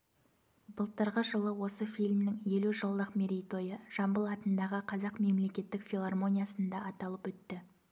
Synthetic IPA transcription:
bəlˠt̪əɾʁəʒəlˠəwo̞səfilʲmnɪŋje̞luʒəlˠd̪əqmʲeɾʲijt̪o̞jəʒ̥ɑmbəlˠɑt̪ənd̪ɑʁəqʰɑzɑqme̞mle̞kʲe̞t̪ːɪkfʲilˠarmo̞nʲijasənd̪ɑːt̪ɑlˠəpwɵt̪ːɪ

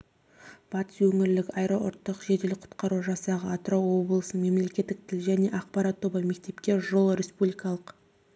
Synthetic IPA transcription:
b̥ɑt̪ə̥swɵŋɪɾlɪkɑjɾɑʔʊ̰ɾt̪ːəqʒed̪elɪqʰʊ̥t̪qɑɾuʒɑsɑʁəɑt̪ɾowwo̞blˠəsənəme̞mle̞kʲe̞t̪ːɪk̚t̪ʰɪlʒæne̞ʔɑqpɑɾɑt̪ʰːobɑjme̞k̚t̪e̞pkʲe̞ʒo̞lˠɾʲe̞spublijkɑlˠəq

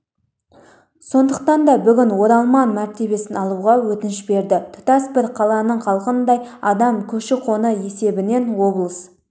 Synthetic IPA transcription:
so̞nd̪əq̚t̪ɑnd̪ɑbʏɡʲɪnwo̞ɾɑlˠmɑnmæɾt̪e̞be̞sɪnɑlˠuʁɑwɵt̪ɪnɪʃbe̞ɾd̪ɪt̪ʰʊ̥t̪ɑsbɪɾqʰɑlˠɑnəɴqʰɑlˠqənd̪ɑjɑd̪ɑmkʲʰɵʃɪqʰo̞nəje̞se̞bɪne̞nwo̞blˠəs

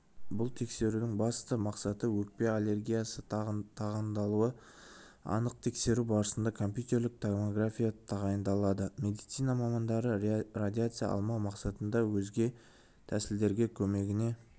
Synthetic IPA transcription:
bʊlˠt̪ʰe̞kse̞ɾud̪ɪŋbɑst̪əmɑqsɑt̪əwɵk̚pe̞alˠe̞rɡʲijasət̪ʰɑʁɑnd̪ɑlˠuə | ɑ̰nəq̚t̪ʰe̞kse̞ɾubɑɾəsənd̪ɑkʰo̞mpjut̪e̞ɾlɪk̚t̪ʰamoɡrafʲijat̪ʰɑʁɑjənd̪ɑlˠɑd̪əmʲe̞d̪ijt̪sijnɑmɑmɑnd̪ɑɾərad̪ʲiat̪sɨjɑ̰ʔɑ̰lˠmɑwmɑqsɑt̪ənd̪ɑwɵzɡʲe̞ | t̪ʰæsɪld̪e̞ɾɡʲe̞kʲʰɵme̞ɡʲɪne̞

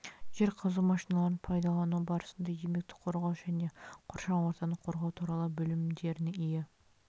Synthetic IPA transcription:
ʒe̞ɾqʰəzumɑʃinɑlˠɑɾənpʰɑjd̪ɑlˠɑnubɑɾəsənd̪ɑjeme̞k̚t̪ɪ̥qʰo̞ɾʁɑwʒ̥æne̞qʰoɾʃɑnwo̞ɾt̪ɑnəqʰo̞ɾʁɑwt̪ʰuɾɑlˠəbɵlɪmd̪e̞ɾɪnɪɪjɪ

